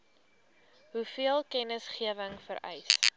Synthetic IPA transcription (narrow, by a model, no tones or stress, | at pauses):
ɦufiəlˠkɛnəsχiəvəŋfəɾɛ̰js